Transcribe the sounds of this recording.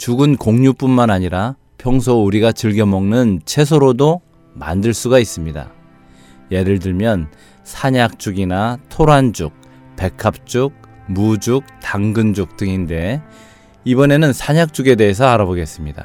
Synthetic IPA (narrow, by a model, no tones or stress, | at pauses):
t͡ɕuɡɯnkoŋɲup͈unmanaɲiɾa | pʰjʌŋsʰouɾiɡat͡ɕɯɭɡjʌmʌŋnɯnt͡ɕʰe̞s̬ʰoɾodo | ma̰ndɯɭs͈uɡais͈ɯmɲida̰ | je̞ɾɯɭdɯɭmjʌn | sʰaɲak̚t͡ɕ͈uɡinatʰoɾand͡ʑuk̚ | pe̞kʰap̚t͡ɕ͈uk̚mud͡ʑuk̚taŋɡɯnd͡ʑuk̚t͈ɯŋinde̞ | ibʌne̞nɯnsʰaɲak̚t͡ɕ͈uɡe̞de̞ɦːs̬ʰʌaɾaboɡe̞s͈ɯmɲida̰